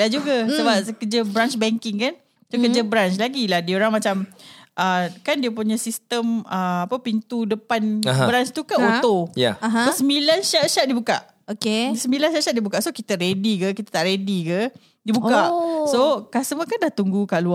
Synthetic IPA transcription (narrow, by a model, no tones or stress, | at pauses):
lad͡ʒuɡasəbap̚səkəd͡ʒəbɾant͡ʃbɛŋkɪŋkan | sokəd͡ʒəbɾant͡ʃlaɡilahdioɾaŋmãt͡ʃamʔəkandiəpuɲə̃sist̪əməapəpint̪udəpanbəɾant͡ʃt̪ukanot̪oja̰aɦosəmilanʃaʔʃat̪̚dibuka̰ʔ | okesəmbilanʃaʔʃat̪̚diəbukaʔsokit̪əɾedikəkit̪ḁt̪aʔɾedikə | dibukasokasəməkandaht̪uŋɡukaʔlua